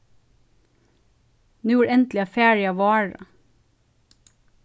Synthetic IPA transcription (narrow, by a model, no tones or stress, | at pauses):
nʉːuːɾɛnt̪lɪɑːfæːɹɪɑʋɑːɹɑ̰